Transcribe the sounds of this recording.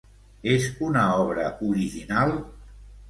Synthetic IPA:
ezunəɔβɾəuɾiʒinalˠ

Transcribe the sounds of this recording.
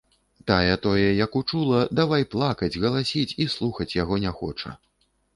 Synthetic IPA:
t̪ajɛt̪ɔjɛjɐkut͡ʂulˠɐd̪avajplˠakɐd͡zʲɣɐlˠasʲit͡sʲislˠuxɐt͡sʲjaɣɔnʲɛxɔ̰t͡ʂɐ̰

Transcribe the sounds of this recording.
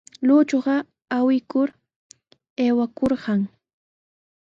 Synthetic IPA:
luːt͡ʃoɢɑ | awɪkʊɾ | eːwakoɾɢɑŋ

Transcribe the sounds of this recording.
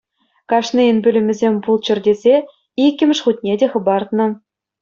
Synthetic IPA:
kɑʂniɘnbʲylʲɘ̆mʲɘ̆zʲemʲpulˠt͡ɕɘ̆rʲdʲezʲe | ikʲːɘ̆mʲɘ̆ʂχut̪̚ʲnʲedʲeχɤ̆bɑrt̪nɤ̆

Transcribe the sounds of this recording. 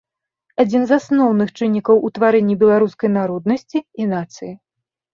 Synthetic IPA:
ad͡zʲinzasnɔwnɨxt͡ʂɨnʲːikɐwʔut̪vaɾɛnʲːibʲɛlˠaɾuskɐjnaɾɔd̪̚nɐsʲt͡sʲiːnat̪sɨji

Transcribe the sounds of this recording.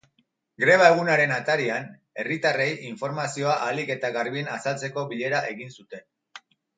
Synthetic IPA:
ɡɾe̞β̞ae̞ɣ̞unaɾe̞nat̪aɾian | e̞rit̪are̞jʔiɱfo̞ɾmasio̞aʔalike̞t̪aɣaɾβinasalt͡se̞ko̞βiʎe̞ɾaʔe̞ɣinsut̪e̞n

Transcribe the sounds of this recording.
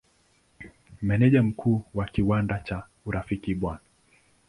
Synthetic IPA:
mɛnɛʄam̩kʰuːwakiwandat͡ʃa | uɾafikiɓwana

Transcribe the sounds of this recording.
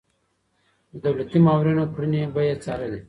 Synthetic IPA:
əd̪ɐwlat̪imaːwɾinopʰɽinebɐjɐt͡saːɾəl

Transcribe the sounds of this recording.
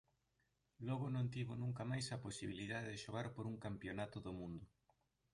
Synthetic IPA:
lɔɣ̞ʊnõnt̪iβonũŋkamajsɐposiβ̞ilið̞aðeðɪʃoɣ̞aɾpoɾuŋkampjonat̪ʊðomũnd̪ʊ

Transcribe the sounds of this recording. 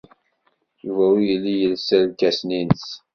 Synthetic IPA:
juvæwijəlːijəlsælkæsninəs

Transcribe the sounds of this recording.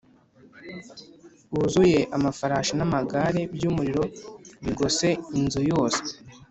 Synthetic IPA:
βuzuje̞ʔamafaɾaːʃanamaɡaɾe̞bjuːmuɾiɾo̞βiɡose̞inzujo̞ːse̥e

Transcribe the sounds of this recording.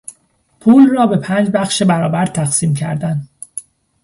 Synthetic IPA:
pʰuːlrɒːbe̞pʰæːnd͡ʒbæχʃebæɾɒːbæɾt̪ʰæxsiːmcʰæ̰ɾd̪æn

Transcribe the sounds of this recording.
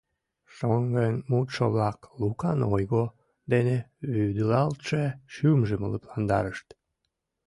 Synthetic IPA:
ʃoŋɡənmut̪ʃoβlɑklukɑnojɣo | d̪eneβyd̪əlɑlt̪ʃeʃymʒəmə̰lə̰plɑnd̪ɑ̰ɾəʃt̪

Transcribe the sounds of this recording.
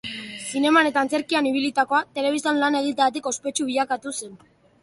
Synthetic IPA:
sine̞mane̞t̪aːnt͡seɾkianiβ̞ilit̪ako̞at̪e̞le̞βist̪anlane̞ɣ̞it̪aat̪̬iko̞spe̞t͡ʃuβiʎakat̪usen

